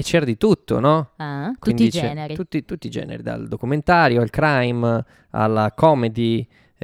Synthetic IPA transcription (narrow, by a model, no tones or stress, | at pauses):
et͡ʃːɛːɾad̪it̪ut̪ːo̰nɔakwinid͡ʒt͡ʃɛniut̪ːit̪ut̪ːid͡ʒɛ̰ːnḛɾid̪a̰ld̪okument̪aːɾjoalkɾajm | a̰lːakɔmed̪i